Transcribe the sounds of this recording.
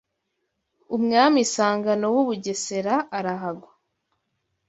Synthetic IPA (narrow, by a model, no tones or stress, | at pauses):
umŋaːmisaːŋɡano̞wuβuɟe̞se̞ɾaːɾaɦaɡwa